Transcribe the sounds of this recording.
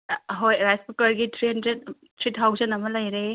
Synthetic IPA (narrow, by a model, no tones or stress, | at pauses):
ɦojɾajspukɐɾɡitʰɾiɦɐndɾed̚ | tʰɾitʰawzɐnɐmɐlɐjɾe